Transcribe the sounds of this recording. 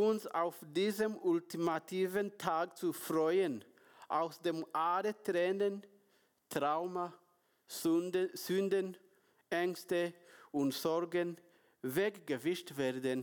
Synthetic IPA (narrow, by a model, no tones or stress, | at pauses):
ʊnsa̰ʊfdiːzəmʊltimatʰiːvəntʰaːk̚t͡sufʁɔʏən | ʔaʊsd̥eːmʔaːʁətʁɛːnən | tʁ̥aʊmɐ | z̥yndən | ʔɛŋstəʊntz̥ɔʁɡən | vɛkɡ̥əvɪʃtveːɐdən